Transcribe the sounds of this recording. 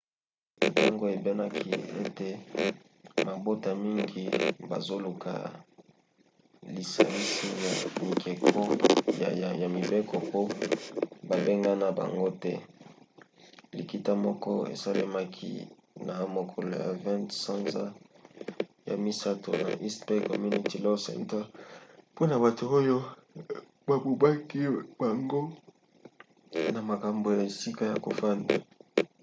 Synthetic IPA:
ta˦ŋɡo˦e˨be˦na˦kʰi˦e˦te˨ | ma˨bo˦ta˨mi˦ŋɡi˨ba̰˨zo˦lu˨kʰa̰˨ | li˨sa˨li˦si˦ja˨mi˨kʰe˨kʰɔ˦˨ | ja˨mi˨be˦kɔ˨po˦ | ba˨be˦ŋɡa˦na˦ba̰˨ŋɡo˦tɛ˦ | li˨ki˨ta˦mɔ˦kɔ˦ḛ˨sa˦le˦ma˦kʰḭ˦ | na˨a˦mo˨kʰɔ˨lo̰˨ja̰˨vã˦nsa˦nza˦ | ja̰˨mi˦sa˦to̰˨na̰˨ʔi˦spe˦kɔ˨mu˦ni˨ti˦lɔ˦sɛ̰̃˦˨ntɛ˦lpo˦na˨ba˨to˨o˦jo˦ | ba˨bo˨ba˦ki˦ba˨ŋɡo˦ | na˨ma˨ka˨mbo˨ja˨e˨si˦ka˦ja˨ko̰˨fa˦nda̰˨

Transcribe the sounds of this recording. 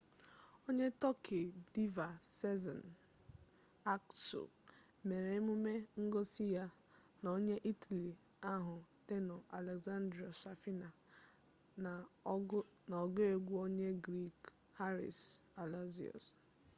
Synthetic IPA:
o˦ɲe˦tɔ˦kʰe˨di˦va˨sɛ˦zɔ̰˨n | a˦kso̰˨ | me˨ɾe˦mu˦me˦ŋ̩˦ɡo˦si˦ja˦ | no˦ɲe˦ʔi˦tʰa˨li˨ | a˦ɦʊ˨te˦nɔ˨a˨le˨ɡza˦ndɾi˨ɔ˨sa˨fi˦na˨ | nɔ˨ɡo˦e˨ɡʷu˦o˦ɲe˦ɡɾi˦k | ha˦ɾḭ˨s | a˨la˦zḭ˨ɔ̰˨s

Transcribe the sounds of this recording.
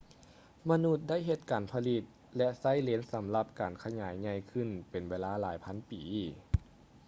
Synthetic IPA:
ma˧nu˧˥t̪̚da˥˩jɦe˧t̪̚kaː˨˩npʰa˧li˧t̪̚ | lɛ˧sa˥˩˨jle˧˦nsa˨˦mla˧p̚kaː˨˩nkʰa˧ɲaː˩˦jɲa˧jkʰɯ˧˩˨npe˨˩nweː˧˥laː˧˥laː˨˦jpʰa˧˥˨npiː˨˦

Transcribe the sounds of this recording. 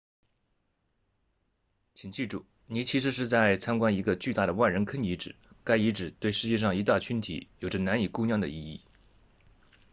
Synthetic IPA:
t͡ɕʰi˨˩ŋt͡ɕi˥˩ʈ͡ʂu˥˩ | ni˧˥t͡ɕʰi˧˥ʂ̬ɻ̩˧˥ʂ̬ɻ̩˥˧t͡sa˥˩ɪt͡sʰa˥nkwa˥ni˧˥ɡə˧t͡ɕy˥˧t̪a˥˩ɾə˩wa˥˩nɻə˧˥nkʰə˥ni˧˥ʈ͡ʂɻ̩˨˩˦ka˥ɪi˧˥ʈ͡ʂɻ̩˨˩t̪we˥˩ɪʂɻ̩˧˥t͡ɕjɛ˥˧ʂɑ˥˩ŋi˧˥t̪a˥˩t͡ɕʰy˧˥nt̪ʰḭ˨˥jo˨˩ʊʈ͡ʂə˦na˧˥ni˨˩ku˥˧njɑ˥˩ŋd̪ə̰˩i˥˧i˥˩

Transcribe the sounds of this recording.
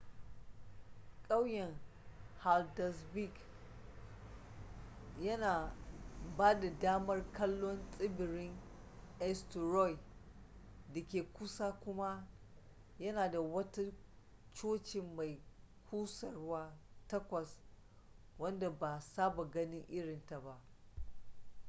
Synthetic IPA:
kʼa˦wjɛ˨ŋ | ha˨ldɐ˨sbi˦˨k | jɐ˦naː˨ | baː˦da˨daː˦mɐ˦rkɐ˦lːɔ˦nsʼɪ˦bɪ˨ɾɪ˦ŋ | ʔɛ˦stɾɔ˦j | dɐ˨kʲeː˨kʷʊ˦saː˦kʷʊ˦ma˦ | jɐ˦naː˨da˨wɐ˦ta˦ | t͡ʃoː˦t͡ʃɪ˨mːa˨j | kʷʰuː˦sɐ˨rʊ˦waː˦tɐ˦kʷɐ˨s | wɐ˦nda˨ba˨saː˦ba˨ɡɐ˦nɪ˦ŋʔɪ˦ɽɪ˨nta˨ba˦ʔ

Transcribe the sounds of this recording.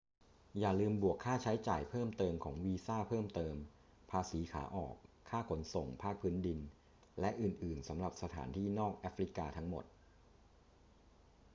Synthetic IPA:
jaː˨˩lɯː˧mbu˨˩əkʰːaː˥˩t͡ɕʰa˦˥jt͡ɕaː˨˩jpʰɤː˥˩mt̪ɤː˧mkʰɔː˩˦ŋwiː˧saː˥˩pʰɤː˥˩mt̪ɤː˧m | pʰaː˧siː˩˦kʰa̰ː˩˦ʔɔ̰ː˨˩kʰːaː˥˩kʰo˩˦nso˨˩ŋpʰaː˥˩k̚pʰɯː˦˥ndi˧n | lɛ˦˥ʔɯː˨˩nʔɯː˨˩nsa˩˦mɾa˨˩p̚sa˧t̪ʰa̰ː˩˦nt̪ʰiː˥˩nɔː˥˩k̚ʔa˦˥fɾi˦˥kaː˧t̪ʰa˦˥ŋmo̰˨˩t̪̚

